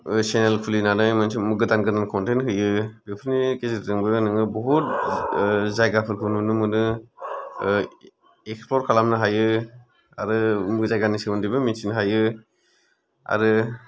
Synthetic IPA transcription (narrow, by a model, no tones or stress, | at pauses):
senelkʰulinanɯjmɯnsimɯɡɯdanɡɯnankʰɔntentɦɯjɯbepʰɯɾnikezetɾɯŋbɯnɯŋɯbɔɦut̚ | zajɡapʰɯɾkʰɯnɯnɯmɯnɯ | eksplɔɾkʰalamnɯɦajɯ | a̰ɾɯmɯɡzajɡanisɯmɯndibɯminsinɦajɯ | a̰ɾɯ